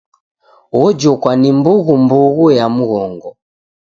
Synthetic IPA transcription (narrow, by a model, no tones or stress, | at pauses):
ɔd͡ʒɔkwanimbuɣumbuɣujamuɣɔŋɡɔ